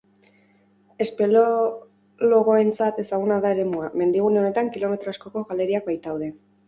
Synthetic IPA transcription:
e̞spe̞lo | loɣo̞e̞nt͡sat̪e̞saɣ̞unaðaeɾe̞muame̞nd̪iɣ̞une̞o̞ne̞t̪aŋkilo̞me̞t̪ɾoasko̞ko̞ɣale̞ɾiak̚bajt̪awð̞e̞

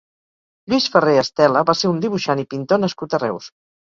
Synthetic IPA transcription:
ʎwisfəreəst̪ɛləβaseɾund̪iβ̞uʃanipint̪onəskut̪ərɛ̰ws

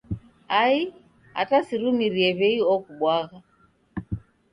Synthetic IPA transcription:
ai | a̰tasiɾumiɾiɛβɛiɔkuɓwaɣa

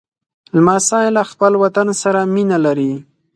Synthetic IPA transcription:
lmasɑjlaxpəlwat̪ansaɾaminalaɾi

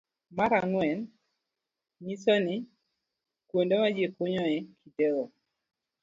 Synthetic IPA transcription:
maɾaŋwɛn | ɲisonɪ | kwondemad͡ʒjekoɲɔɛkʰiteɾo

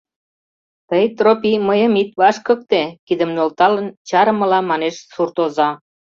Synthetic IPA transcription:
t̪əjt̪ropiməjəmit̪̚vɑʃkək̚t̪ekid̪ə̆mnolt̪ɑlənt͡ɕɑɾəmə̆lɑmɑneʃsurt̪ozɑ

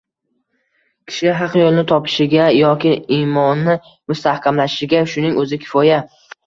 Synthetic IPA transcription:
kʲʰɪ̥ʃɪɦɑqjolˠnɪt̪ʰɒpʰɪ̥ʃɪɡʲajɒkʲɪimɒnːɪ | mʊst̪ʰahkʲʰamlaɪ̥ʃɪɡʲaʃʊnɪŋɵzɪkʲʰɪ̥fɒja

